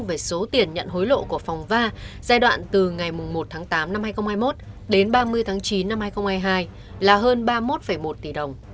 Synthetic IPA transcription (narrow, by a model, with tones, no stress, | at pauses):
ve˨˩so˨˦t̪i˨˩ənɲə̰˧˨nɦo˨˦jlo̰˧˨ku˧˩əfa˨˩wŋ͡mvaː˧zaː˧jɗwa̰ː˧˨nt̪ɨ˨˩ŋa˨˩jmʊ˨˩ŋ͡mmo˨˩t̚t̪ʰaː˨˦ŋt̪aː˨˦mna˧mhaː˧jxə˧ŋ͡mhaː˧jmo˦˥t̚ | ɗe˨˦nɓaː˧mɨ˧əjt̪ʰaː˨˦ŋt͡ɕi˨˦nːa˧mhaː˧jxə˧wŋ͡mhaː˧jɦaː˧j | laː˨˩ɦəː˧nɓaː˧mo˦˥t̚fə˧˩jmo˨˩t̚t̪i˧˩ɗə˨˩wŋ͡m